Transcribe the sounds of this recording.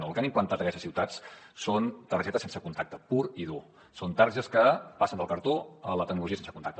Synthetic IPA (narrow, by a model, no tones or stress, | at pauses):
oəlˠkanimplənt̪at̪əkɛst̪əsiwt̪at͡ssont̪ərʒɛt̪əsensəkunt̪ak̚t̪əpuɾiðu | sont̪aɾʒəskəpasənd̪əlˠkəɾt̪oələt̪ək̚nuluʒiəsensəkunt̪akt̪ə